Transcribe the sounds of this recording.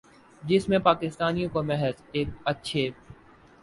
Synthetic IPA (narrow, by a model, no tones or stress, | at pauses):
d͡ʒɪsmẽpaːkɪst̪aːnijõkomɛɦəzeːk̚ɐtːʃʰe